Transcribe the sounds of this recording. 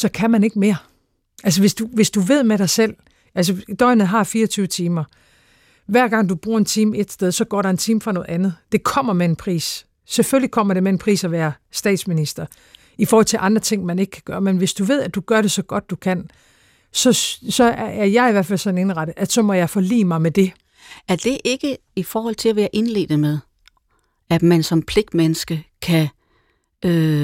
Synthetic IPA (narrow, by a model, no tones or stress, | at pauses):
sɒ̽kʰæmæne̝ɡ̥me̝ːɐ | ʔæls̬əʋe̝sd̥uʋe̝sd̥uʋe̝ð̞̰ˠmeɾɑ̈ɪsel̰ | ʔæls̬əd̥ɒ̽ɪnð̩ˠɦɑ̈fiːɐɒt͡sʰyːʊət͡sʰiːmɐ | ʋæɐ̰ɡ̥ɑ̈ŋ̰d̥ub̥ʁuːɐ̰e̝nt͡sʰiːme̝d̥sd̥eðˠsɒ̽ɡ̥ɒ̰ːɾɑ̈e̝nt͡sʰiːmfʁɑ̈nɔ̽ːð̩ˠænð̞̩ˠd̥e̝kʰɒ̽m̰ɐmee̝npʰʁḭːs | seføl̰likʰɒ̽m̰ɐɾe̝meenpʰʁḭːsæʋæːɐ | sd̥ɛ̰ːd̥sminisd̥ɐ | ifɔːhɒ̽l̰t͡sʰe̝lʔɑ̈nd̥ʁɐt͡sʰe̝ŋ̰mæne̝ɡ̥ə̥kʰæɡ̥ɶːɐmenʋe̝sd̥uʋe̝ð̰ˠæd̥uɡ̥ɶɐɾe̝sɒ̽ɡ̥ɒ̽d̥ːukʰæn̰ | sɒ̽sɒ̽æɐjɑ̈ɪiʋæɐ̰̥fæl̰sɒ̽nene̝nʁɑ̈ɾ̥əʔæsɒ̽mɒ̽jɑ̈ɪfɒlḭːmɑ̈ɪmed̥e̝ | æɐd̥e̝ʔe̝ɡ̥əifɒːhɒ̽l̰t͡sʰe̝læʋeːɐʔe̝nle̝̰ːd̥ð̩meðˠ | æ̥mænsɒ̽mpʰle̝ɡ̥̚d̥menəsɡ̥əkʰæ | ø